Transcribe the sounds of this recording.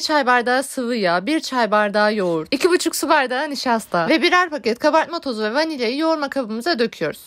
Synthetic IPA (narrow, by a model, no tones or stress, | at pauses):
t͡ʃʰajbaɾd̪aːsɯvɯjabiɾt͡ʃʰajbaɾd̪aːjouɾicʰibut͡ʃʰuksɯbaɾd̪aːniʃast̪ʰavɛbiɾæɾpacɛt̪kʰabat̪mot̪ʰo̞zuvɛvanilʲejijo̞uɾmakʰabɯmɯzad̪ø̞kcʰyjo̞ɾuz̥